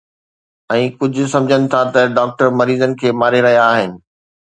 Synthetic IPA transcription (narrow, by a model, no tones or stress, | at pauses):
ɛ̃ːkʊd͡ʑʱʊ̆sɐ̃md͡ʑʱənɪ̆t̪ʰat̪ɐɖaːk̚ʈəɾmɐɾiːzənɪ̆kʰeːmaːɾeɾɐɦijaːɦɪnɪ̆